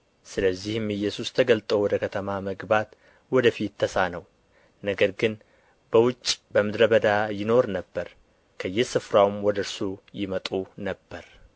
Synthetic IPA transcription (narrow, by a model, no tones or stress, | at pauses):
sɨləzːihɨmɨjːɛsust̪ʰəɡəlt̪ʼowɔd̪əkʰət̪ʰəmaməɡbat̪ | wɔd̪əfit̪ʰːəsanəw | nəɡəɾɡɨn | b̥əwʊt͡ʃʼːbəmɨd̪ɾəbəd̪ajɪno̞ɾnəbːəɾ | kʰəjːɛsɨfɾawmwɔd̪əɾsujɪmət̪ʼunəbːəɾ